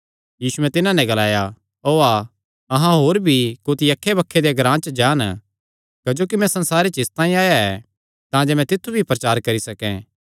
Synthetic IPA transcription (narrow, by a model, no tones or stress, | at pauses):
jiːsuɛ̃t̪ɪnãnɛ̃ɡɐlaːja | oːaː | ɐɦãɦoːɾbʱikoːt̪ʰiɐkʰːebɐkʰːed̪eɡɾãːt͡ʃd͡ʒãːn | kɐd͡ʒoːkimɛ̃sɐ̃nsaːɾet͡ʃɪst̪ãːĩaːjaɛ̰ | t̪ãːd͡ʒemɛ̃t̪ɪt̪ʰːubʱipɾɐt͡ʃaːɾkɐɾisɐkɛ̰̃ː